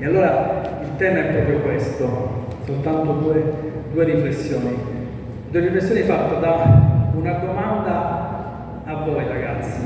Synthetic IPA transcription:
ealːoːɾailt̪ɛːmaɛpːɾɔːpɾjokwest̪osolt̪ant̪od̪uːed̪uːeɾifɾesːjɔːni | d̪uːeɾifɾesːjɔːnifat̪ːad̪aunad̪omand̪aː | vːɔjɾaɡat̪sːi

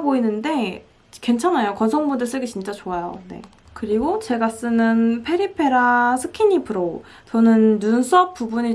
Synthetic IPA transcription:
boinːɯnde̞ | ke̞nt͡ɕʰanajokʌnsʰʌŋbundɯɭs͈ɯɡet͡ɕint͡ɕ͈at͡ɕoajo̰ne̞̰ | kɯɾiɡot͡ɕe̞ɡas͈ɯnɯnpʰe̞ɾipʰe̞ɾasʰɯkʰinipʰɯɾo | t͡ɕʌnɯnjuns͈ʰʌk̚p͈ubuɲi

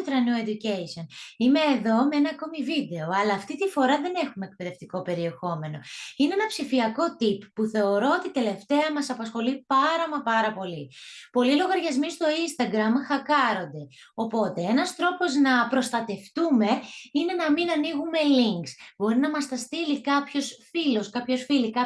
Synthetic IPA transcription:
t̪ɾɐnued̪ucejsio̞nime̞ːðo̞meenɐːko̞mivid̪e̞o̞ɐlɐːft̪it̪ifo̞ɾɐðe̞ne̞xume̞ːk̚pe̞ðe̞ft̪iko̞pe̞ɾie̞xo̞me̞no̞̰ineenɐpsifiɐko̞t̪ipːuθe̞o̞ɾo̞ot̪it̪e̞le̞ft̪e̞ɐmɐsɐpɐsxo̞lipɐɾɐmɐpɐɾɐpo̞lipo̞lilo̞ɣɐɾʝɐzmist̪o̞inst̪ɐɡɾɐmxɐkɐɾo̞nd̪e̞ | o̞po̞t̪e̞enɐst̪ɾo̞po̞znɐpɾo̞st̪ɐt̪e̞ft̪ume̞ine̞nɐminɐniɣume̞liŋksbo̞ɾinɐmɐst̪ɐst̪ilikɐpço̞sfilo̞skɐpço̞sfilikɐ

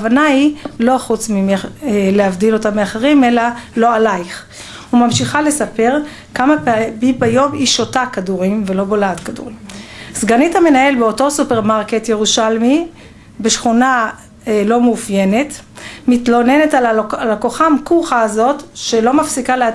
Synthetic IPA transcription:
avanailo̞χut͡smimleavdilo̞tameaχeʁime̞lalo̞alajχ | humamʃiχale̞sape̞ʁ | kamabibajo̞miʃotakaduʁimvelo̞bolaːtkadṵʁimsɡanithame̞nae̞lbeo̞to̞supeʁmaʁketje̞ʁuʃalmi | beʃχuna | lo̞mufje̞ne̞t | mitlo̞ne̞ne̞talalakoχamkuχaːzo̞tʃelo̞mafsikalea

